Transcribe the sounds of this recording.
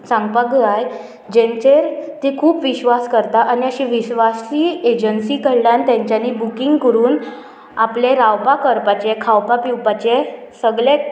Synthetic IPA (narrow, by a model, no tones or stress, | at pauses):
sãŋɡpaɡəaj | d͡ʑẽɲt͡ɕeɾt̪ikʰuːpʋiɕʋaskəɾt̪aʔaniəɕiʋiɕʋasiːed͡ʑənsikəɽljant̪jãɲt͡ɕjanibukiŋɡkəɾuːn | apleɾawpakəɾpat͡ɕekʰawpapiwpat͡ɕesəɡɭe